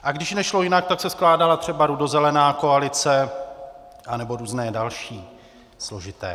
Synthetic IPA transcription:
ʔaɡdɪʃnɛʃlo̞jɪnak̚t̪aksɛsklaːdalat̪r̝̥ɛbaɾudozɛlɛnaːko̞alɪt͡sɛ | ʔanɛbo̞ɾuːznɛːdalʃiː | slo̞ʒɪt̪ɛ̰ː

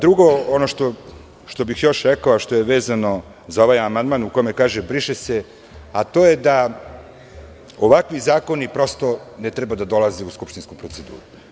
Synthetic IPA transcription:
d̪ɾuɡo̞onoʃt̪o | ʃt̪o̞bixjo̞ʃɾekaoʃt̪o̞jeʋeːzano̞ | zao̞ʋajamand̪maːnukojmekaːʒebɾiʃese | at̪o̞ːje̞d̪a | oʋakʋizaːko̞nipɾo̞st̪o̞net̪ɾebad̪ad̪o̞lazeuskupʃt̪inskupɾo̞t̪se̞d̪ṵːɾu

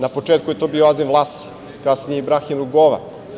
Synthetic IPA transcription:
napo̞t͡ʃet̪kujet̪o̞bioazinvlˠaːst̪i̥ | kasnijeibɾaximɾuɡoʋa̰

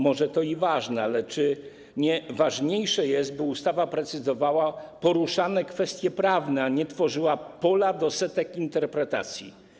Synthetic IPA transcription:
mɔʐɛt̪ɔivaʐnɛalɛt͡ʂɘ | ɲɛvaʐɲejʂɛjɛst̪̚bɘust̪avapɾɛt̪sɘzɔvawapɔɾuʂanɛkfɛst̪ʲjɛpɾavnɛaɲɛt̪fɔʐɘwapɔlad̪ɔsɛt̪ɛkint̪ɛɾpɾɛt̪a̰t̪sʲjḭ

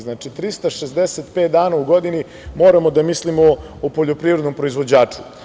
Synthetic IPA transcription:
znaːt͡ʃit̪ɾist̪aʃesd̪eset̪pet̪̚d̪aːnauɡo̞d̪ini | mo̞ːɾamo̞d̪amislimo | opoʎo̞pɾiːvɾd̪no̞mpɾo̞izʋo̞d͡ʑaːt͡ʂu̥

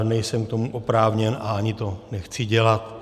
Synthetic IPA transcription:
nɛjsɛmkt̪o̞muʔopɾaːvɲɛnʔa̰aɲɪt̪o̞nɛxt͡sɪɟɛlat̪

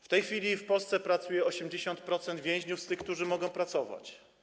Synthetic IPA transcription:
ft̪ɛjxfʲilʲifpɔlst̪sɛpɾat̪sujɛɔɕɛmd͡ʑeɕɔnt̪pɾɔt̪sɛnd̪vʲjɛ̃ʑɲufst̪ɘxk̚t̪uʐɘmɔɡɔ̃w̃pɾat̪sɔva̰t͡ɕ

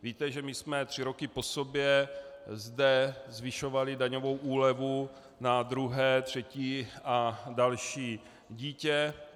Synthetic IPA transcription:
viːt̪ɛʒɛmɪsmɛt̪r̥ɪɾokɪpo̞sobjɛzdɛzvɪʃo̞valɪdaɲo̞vo̞wʔuːlɛvu | nad̪ɾuɦɛːt̪r̝̥ɛciːʔadalʃiː | ɟiːcɛ

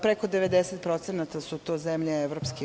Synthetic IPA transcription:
pɾeko̞d̪eʋed̪eset̪̚pɾo̞t̪senat̪asut̪oːzemʎeeʋɾopski

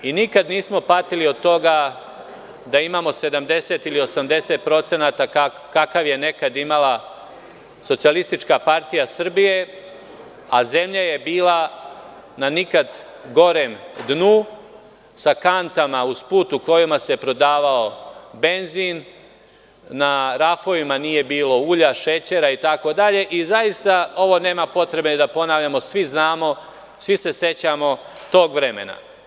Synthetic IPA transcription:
inikad̪niːsmo̞pat̪ilio̞d̪̚t̪o̞ɡa | d̪aimaːmo̞se̞d̪amd̪e̞se̞t̪ilio̞samd̪e̞se̞t̪̚pɾo̞t̪se̞nat̪aka | kakaʋje̞ne̞kad̪imala | so̞t̪sialist̪it͡ʃkapaɾt̪ijasr̩bije̞ | aze̞mʎaje̞biːla | nanikad̪ | ɡo̞ɾe̞md̪nu | sakant̪amauspuːt̪uko̞jimasepɾo̞d̪aːʋaobe̞nziːn | aɾafo̞ʋimanije̞biːlo̞uːʎaʃe̞t͡ɕe̞ɾait̪ako̞d̪aʎe̞ʔizajist̪ao̞ʋo̞ne̞ːmapo̞t̪ɾe̞bed̪apo̞naːʋʎamo̞sʋiznaːmo̞ | sʋise̞se̞t͡ɕamo̞ | t̪o̞ːɡʋɾe̞me̞̰na̰

